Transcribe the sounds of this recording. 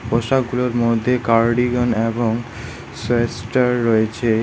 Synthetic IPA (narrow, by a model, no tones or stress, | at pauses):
poʃakɡuloɾmod̪ʱːekaɾɖiɡoneboŋ | soesʈaɾːoet͡ɕʰe